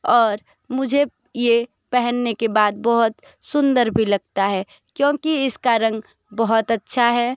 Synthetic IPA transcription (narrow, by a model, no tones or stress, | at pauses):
ɔːɾ | mʊd͡ʒʱe | je | pɛɦənːekebaːd̪̚bɔɦʊt̪ | sʊ̃nd̪əɾbʱilɐɡt̪aɦɛ | kjõːkiɪskaɾɐ̃ŋɡ | bəɦʊt̪ɐtːʃʰaɦɛː